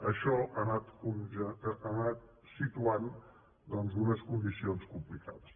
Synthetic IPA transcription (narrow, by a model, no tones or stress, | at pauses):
əʃɔʔanat̪kunʒəːnat̪̚ | sit̪uan | d̪ɔnzunəskund̪isionskumplika̰ðəs